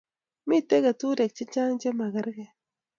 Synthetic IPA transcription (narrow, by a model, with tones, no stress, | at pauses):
mi˦tːe˦ɡa˨tu˦ɾe˨k̚t͡ʃi˦t͡ʃa˦ŋd͡ʒe˦ma˨ɡa˦ɾɡe˨